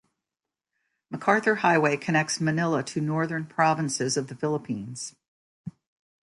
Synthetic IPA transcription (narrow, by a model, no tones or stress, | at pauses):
məkʰɑɹθə˞haɪweɪkʰɨnɛk̚tsmɨnɪlˠəɾɨnɔɹðə̃˞npʰɹ̥ɑvɨ̃nsɪzʌvðɨfɪlˠəpʰĩnz̥